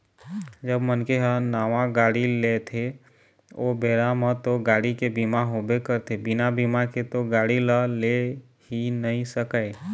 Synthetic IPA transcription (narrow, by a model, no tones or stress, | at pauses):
d͡ʒəbmənkeɦənaːʋãɡaːɽilet̪ʰe | obeːɾamət̪oɡaːɽikebimaɦobekəɾt̪ʰebɪnabimaket̪oɡaːɽiləle | hinəɦĩsəkəe